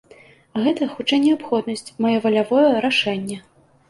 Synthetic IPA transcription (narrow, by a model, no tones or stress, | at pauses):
ɣɛt̪ɐxut͡ʂajnʲɛapxɔd̪nɐsʲt͡sʲmajɔvɐlʲavɔjɛɾaʂɛnʲːɛ